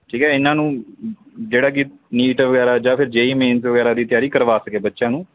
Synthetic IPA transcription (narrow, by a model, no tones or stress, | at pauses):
ʈʰiːkɛːɪnːãːnũː | d͡ʒeːɽaːk̬ɪniːʈʋəɡɛːɾaːd͡ʒaːpʰɪɾd͡ʒeːimẽːnsʋəɡɛːɾaːd̪iːt̪ɪjaːɾiːkəɾʋaːsəkeːbətːʃãːnũː